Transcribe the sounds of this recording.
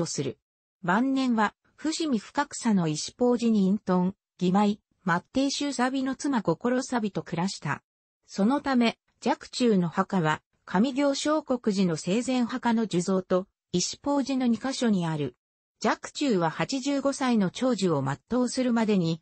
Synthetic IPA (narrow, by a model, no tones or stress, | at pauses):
osɨɾɯ̟̰ | bãnːẽ̞ɰ̃βa | ɸɯ̟ɕimʲiɸɯ̟̥kakɯ̟̥sano̞iɕi̥po̞ːʑiɲ̟ĩːnt̪õ̞ŋ | ɡ̥ʲimai | mat̪ːe̞ːɕɨːsabʲino̞t͡sɨmaɡo̞ko̞ɾo̞sabʲit̪o̞kɯ̟ɾaɕi̥t̪a̰ | so̞no̞t̪ame̞ | d͡ʑakɯ̟̥t͡ɕɨːno̞hakaβa | kʰamʲiɡʲo̞ːɕo̞ːko̞kɯ̟ʑino̞se̞ːzẽ̞ɰ̃hakano̞d͡ʑɨzo̞ːt̪o̞ | iɕi̥po̞ːʑino̞ɲ̟ikaɕo̞ɲ̟iaɾɯ̟ | d͡ʑakɯ̟̥t͡ɕɨːβahat͡ɕiʑɨːɡo̞saino̞t͡ɕo̞ːʑio̞mat̪ːo̞ːsɨɾɯ̟mad̪e̞ɲ̟i